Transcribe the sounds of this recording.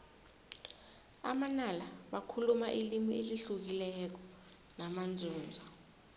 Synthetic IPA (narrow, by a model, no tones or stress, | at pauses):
a̰manalaɓakʰulumaʔilimieliɬuk̬ilɛk̬ɔ̥ | namand͡zʱuːnd͡zʱɔ